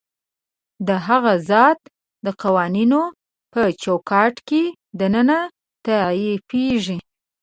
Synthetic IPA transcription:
d̪əɦaɣazɑt̪ | d̪əqawɑnino | pət͡ʃawkɑʈke | d̪ənəna | t̪aajepeʒi

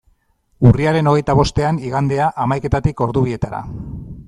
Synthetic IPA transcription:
uriaɾe̞no̞ɣ̞e̞jt̪aβ̞o̞st̪e̞aniɣand̪e̞aʔamajke̞t̪at̪iko̞ɾðuβie̞t̪aɾa̰

